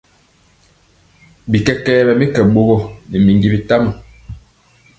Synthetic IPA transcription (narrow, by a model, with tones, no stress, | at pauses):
bi˨kɛ˦kɛː˦bɛ˨mi˦kɛ˨ɓo˦ɣɔ˦ni˨mi˨ŋɡi˦bi˨ta˦mə˨